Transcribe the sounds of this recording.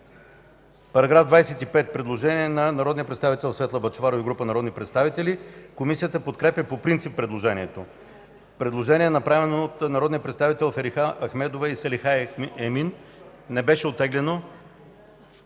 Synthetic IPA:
pɐɾɐɡɾavd̪vajsɛt̪ipɛt̪̚pɾɛd̪lˠoʒɛniɛnɐnɐɾɔd̪nijəpɾɛt̪st̪avit̪ɛlˠsvɛt̪lˠəbɐt͡ʃvaɾoiɡɾupənɐɾɔd̪nipɾɛt̪st̪avit̪ɛlikomisiət̪əpot̪kɾɛpjəpopɾint̪sipːɾɛd̪lˠoʒɛnʲiɛt̪o | pɾɛd̪lˠoʒɛniɛnɐpɾavɛnoːt̪nɐɾɔd̪nijəpɾɛt̪st̪avit̪ɛlˠfɛɾixaɐxmɛd̪ovɛisɛlixaɛminː | ɛbɛʃɛot̪ːɛɡlɛno

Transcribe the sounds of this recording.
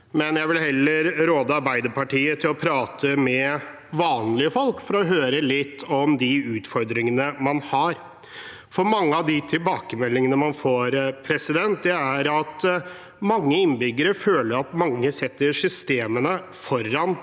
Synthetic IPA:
mɛnjæɪʋɪlhɛlːəɾɾoːd̪əɑɾbæɪd̪əɾpʰɑʈiːət̪ʰɪlɔpʰɾɑːt̪ʰəmɛ | ʋɑːnlɪəfɔlkfɔɾɔɦøːɾəlɪt̪ːɔmd̪ɪʉːt̪fɔɾd̪ɾɪŋənəmɑnhɑɾ | fɔɾmɑŋːəɑʋd̪ɪt̪ʰɪlbɑːkəmɛlːɪŋənəmɑnfoːɾpʰɾɛsɪd̪ɛnt̪̚d̪ɛæɾɑt̪ | mɑŋːəɪnːbʏɡəɾəføːləɾɑt̪mɑŋːəsɛt̪ːəsʏst̪eːmənə | fɔɾːɑn

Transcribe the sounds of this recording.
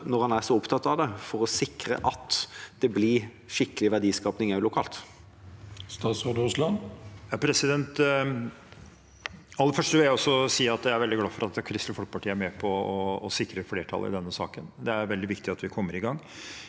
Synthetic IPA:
nɔʁhɑnæʁsɔʊpt̪ʰɑt̪ːɑʋd̪ɛfɔɾɔsɪkɾə̰ʔɑt̪ːd̪̥ɛblɪ | ʂɪkəlɪʋæɖiːskɑːpnɪŋɑʉlʊkʰɑːlt̪ | st̪ɑːt̪sʁoːd̪əʉslɑnjɑpʰɾɛsɪd̪ɛnt̪ | ɑlːəfœʂʈəʋɪljæɪɔsːɔsiːɑt̪jææɾʋɛld̪ɪɡlɑːfɔɾɑt̪kʰɾɪst̪lfɔlk̚əpɑʈʰiːəæɾmɛːpʰɔɔːsɪkɾəfleːʈʰɑ̰lɪ̰d̪ɛnːəsɑ̰ːkənd̪ɛæɾʋɛld̪ɪʋɪkt̪ɪɑt̪ʋɪkʰɔmːəɾɪɡɑŋː

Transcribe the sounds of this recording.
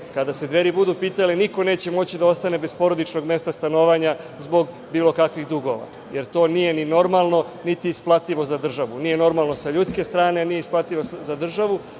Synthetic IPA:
kad̪ase̞d̪ʋe̞ɾibud̪upiːt̪aliniko̞ne̞ːt͡ɕe̞mo̞t͡ɕid̪ao̞st̪ane̞be̞spo̞ɾo̞d̪it͡ʃno̞ɡme̞st̪ast̪ano̞ːʋaɲa | zbo̞ɡ | biːlo̞kakʋiɣd̪uɡo̞ʋa̰ | je̞ɾt̪o̞ːnije̞nino̞ɾmalˠno̞ | nit̪iːsplˠat̪iʋo̞zad̪r̩ʒaʋunije̞no̞ɾmalˠno̞saʎuːt̪ske̞st̪ɾaːne̞nije̞isplˠat̪iʋozad̪r̩ʒaʋu

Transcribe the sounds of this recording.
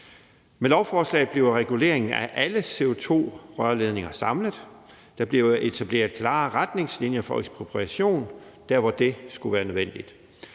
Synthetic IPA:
melɒʊfɒːslɛ̰ːð̩ˠb̥le̝ʊʁɛɡ̥ule̝̰ɐ̰e̝ŋn̩æʔæləse̝ot͡sʰo̝̰ːʁɶɐle̝ð̞ˠne̝ŋɐsɑ̈mləð̩ˠ | d̥ɑ̈b̥le̝ʊe̝t͡sʰæb̥le̝̰ːɐð̩ˠkʰlɑ̈ːʁad̥ne̝ŋslinjɐfɒ̽eɡ̥spʰʁo̝pʰʁiæɕo̝̰ːn | d̥æɐ̰ʋɒd̥e̝sɡ̥uʋæːɐnøðˠʋen̰d̥id̥

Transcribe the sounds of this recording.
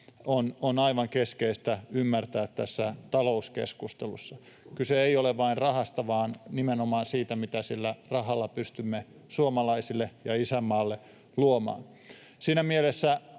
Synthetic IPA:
ononɑiʋɑŋkeskeist̪æymːært̪æːt̪t̪æsːæt̪ɑlouskḛskust̪elṵsːɑ | kyseeioleʋʋɑinrɑhɑst̪ɑʋɑːnnimenomɑːnsiːt̪æmit̪æsilːærɑɦɑlːɑpyst̪ymːe | suomɑlɑisilːejɑisæmːɑːlːe | luomɑ̰ːn | siːnæmielesːæ

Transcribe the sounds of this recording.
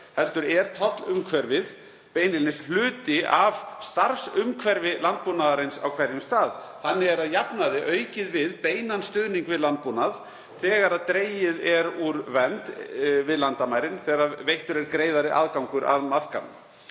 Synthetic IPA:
hɛlt̪ʏɾɛɾ̥t̪ʰɔt̪lʏmkʰvɛɾvɪð | peːjnɪlnɪslʏːt̪ɪavst̪aɾ̥sʏmkʰvɛɾvɪlant̪̚punaðaɾɪnsa̰wkʰvɛɾjʏmst̪aːðθanːɪɛɾaðjapnaðɪʔœːɥcɪðvɪðpeːjnanst̪ʏðniŋkvɪðlant̪̚punað | θɛːɣaɾaðt̪ɾeːjɪðɛɾuɾvɛnt̪vɪðlant̪amajɾɪnθɛːɣɾavejht̪ʏɾɛɾkɾeːjðaɾɪʔa̰ðkawŋkʏɾʔa̰ðmar̥kanʏ̰

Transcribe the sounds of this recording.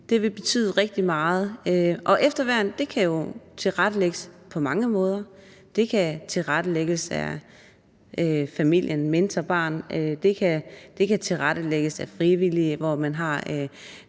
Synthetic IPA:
d̥e̝ʋe̝b̥e̝t͡sʰy̰ːðˠʁɛɡ̥̚d̥imɑ̈ːð̩ˠøʔɒ̽ʔefd̥ɐʋæɐnd̥e̝kʰæjo̝t͡sʰe̝lʁaɾ̥əleɡ̥əspʰɒ̽mɑ̈ŋəmɔ̽ːð̞ˠɐ | d̥e̝kʰæt͡sʰe̝lʁaɾ̥əleɡ̥əsæ̰ | øfæmil̰jənmend̥ʰɐb̥ɑ̰̈ːnød̥e̝kʰæd̥e̝kʰæt͡sʰe̝lʁaɾ̥əleɡ̥əsæfʁiʋiliʋɒmænɦɑ̈

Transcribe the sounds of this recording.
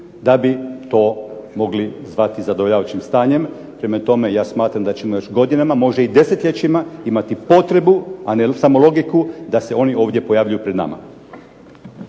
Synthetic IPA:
d̪abit̪o̞ːmo̞ɡlizʋat̪izad̪ooʎaʋat͡ʃimst̪aːɲe̞m | pɾemat̪o̞me̞jaːsmaːt̪ɾamd̪at͡ɕemo̞jo̞ʃɡo̞d̪inamamo̞ʒeid̪e̞set̪ʎʲe̞t͡ʃimaimat̪ipo̞t̪ɾe̞buanesamo̞lo̞ɡikud̪ase̞o̞nio̞ːʋd̪je̞pojaːʋʎʲujupɾe̞d̪na̰ma̰

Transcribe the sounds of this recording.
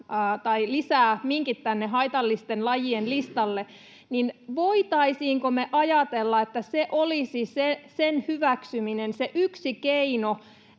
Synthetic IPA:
t̪ɑilisæːmiŋkit̪ːænːeɦɑit̪ɑlːist̪enlɑjienlist̪ɑlːe | ninʋoit̪ɑisiːŋkomeʔɑjɑt̪elːɑet̪ːæseʔolisisesenhyʋæksyminenseʔyksikeino

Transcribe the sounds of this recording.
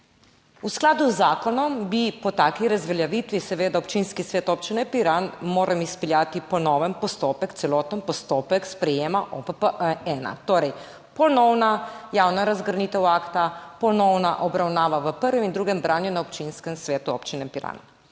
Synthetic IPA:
usklaːd̪uzːaːkɔnɔmbipɔt̪aːkiɾazʋɛljaʋit̪ʋisɛʋeːd̪aɔpt͡ʃinskisʋeːt̪ɔpt͡ʃinɛpiɾanmoːɾʔamispɛljaːt̪ipɔnɔːʋɛmpɔst̪oːpɛkt̪sɛlɔːt̪ɛmpɔst̪oːpɛkspɾɛjeːmaʔopəpəʔəɛna̰t̪oːɾɛj | pɔnɔwnajaːwnaɾazɡəɾniːt̪ɛwaːkt̪apɔnɔwnaʔɔbɾawnaːʋaʋəpəɾʋɛmind̪ɾuːɡɛmbɾʔaːnjunaɔpt͡ʃinskɛmsʋeːt̪uɔ̰pt͡ʃinɛpiɾa̰n

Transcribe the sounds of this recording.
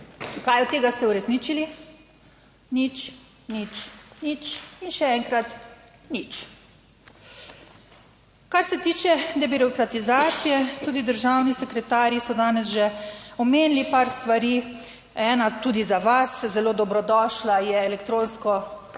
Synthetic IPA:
kajɔt̪ːeːɡast̪ɛuɾɛsniːt͡ʃili | nit͡ʃ | nit͡ʃnit͡ʃinʃɛɛŋkɾat̪ | nit͡ʃ | kaɾsɛt̪iːt͡ʃɛd̪ɛbiɾɔkɾat̪izaːt̪sijɛt̪uːd̪id̪əɾʒawnisɛkɾɛt̪aːɾjisɔd̪aːnɛsʒɛɔmeːnlipaɾst̪ʋaɾiː | ɛːnat̪uːd̪izaʋaszɛloːd̪ɔbɾɔd̪ɔːʃlajɛɛlɛkt̪ɾõːnskɔ

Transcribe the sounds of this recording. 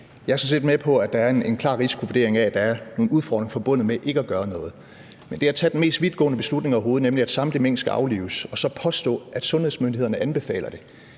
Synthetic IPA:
jɑ̈æɐsɒ̽ns̬e̝̰ːd̥mepʰɒ̽æ̥ɑ̈æɐenenkʰlɑ̈ʁisi̥kʰoʋod̥e̝̰ɐeŋææd̥ɑ̈æɐno̝ːnuð̞ˠfɒ̰ːd̥ʁeŋfɒ̽b̥ɔ̽n̰ð̩ˠmeʔe̝ɡ̥əæɡ̥ɶːɐnɔ̽ːð̞̩ˠ | mend̥e̝æt͡sʰɛd̥en̩me̝̰ːsd̥ʋiðˠɡ̥ɔ̰ːnəb̥e̝slud̥ne̝ŋɒɦo̝ːð̞̩ˠnemliæd̥sɑ̈md̥limen̰̥sɡ̥æʔɑ̈ʊlḭːʊsɒ̽sɒ̽pʰɒ̽sd̥ɔ̰̽ːʔæd̥sɔ̽nheðˠsmønd̥iheð̰ˠɐnəʔænb̥e̝fɛ̰ːlɐd̥e̝

